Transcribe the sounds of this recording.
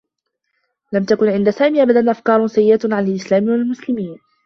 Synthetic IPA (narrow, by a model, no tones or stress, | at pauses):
lamt̪akʊnʕɪnd̪asaːmiːʔabad̪anʔafkɑːɾˤsajːɪʔat̪ʕanalʔɪslaːmɪwalmʊslɪmiːn